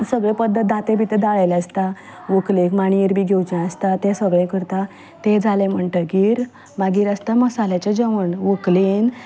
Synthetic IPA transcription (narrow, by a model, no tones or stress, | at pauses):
səɡɭẽpəd̪ːət̪̚d̪at̪ẽbit̪ed̪aɭajlast̪a | ʋoklekmaɽ̃iiɾbiɡʱewt͡ɕɛ̃əst̪at̪ɛ̃səɡɭɛ̃kəɾt̪a | t̪ẽd͡zʱalẽm̤əɳʈəɡiːɾ | maɡiːɾəst̪aməsalat͡ɕed͡ʑəʋəɳʋoklen